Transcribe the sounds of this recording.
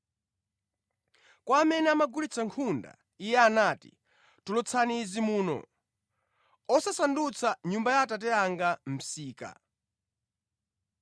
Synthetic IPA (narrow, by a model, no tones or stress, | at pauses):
kwaːmɛnɛamaɡulit͡sʰaŋkʰunda̰ | ijɛanaːtḭ | tulɔt͡sʰanizimuːnɔ̰ | ɔsasandut͡sʰaɲumbajatat̬ɛaŋɡam̩siːka̰